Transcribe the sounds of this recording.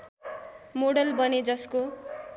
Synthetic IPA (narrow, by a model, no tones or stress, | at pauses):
moɽʌlbʌned͡zʌsko